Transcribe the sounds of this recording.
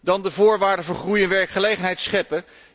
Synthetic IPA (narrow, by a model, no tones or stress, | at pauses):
dɑndəvʊːɹʋaːɹdəvʊːɹχrujɛnʋɛɹkχəlejχənɦɛjtsχɛpə